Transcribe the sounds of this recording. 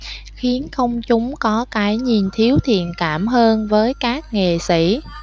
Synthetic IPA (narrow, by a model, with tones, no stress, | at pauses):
xi˨˦ənxə˧wŋ͡mt͡ɕʊ˨˦ŋ͡mkɔ˨˦kaː˨˦jɲi˨˩nt̪ʰi˨˦əwt̪ʰḭ˧˨ənkaː˧˩mɦəː˧nvəː˨˦jkaː˦˥k̚ŋe˨˩sḭ˧˩